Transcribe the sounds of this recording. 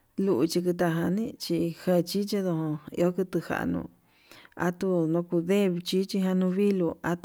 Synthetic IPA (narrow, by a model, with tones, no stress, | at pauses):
lu˧ʔu˧t͡ʃi˧kɨ˧t̪̬a˧ɦa˧nĩ˦t͡ʃi˧hẽ˧t͡ʃi˦t͡ʃi˦ðo˧hõ˧ḭ˧o˦kɨ˧t̪ɨ˧ha̰˨ʔnṵ̃˧ | a̰˧t̪u˧nõ˧ku˧ðe˦˧t͡ʃi˦t͡ʃi˧ɦa˧nũ˧βi˦lu˧a˧t̪